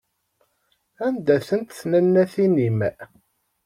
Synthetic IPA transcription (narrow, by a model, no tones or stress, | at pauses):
ænd̪æθənt̪θnənːæθinimæ̰